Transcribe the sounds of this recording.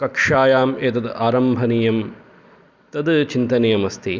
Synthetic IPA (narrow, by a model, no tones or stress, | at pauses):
kɐkʂaːjaːmeːt̪ɐd̪aːɾɐmbʱɐnijɐm | t̪ɐd̪t͡ʃint̪ɐnɐjɐmɐst̪ʰi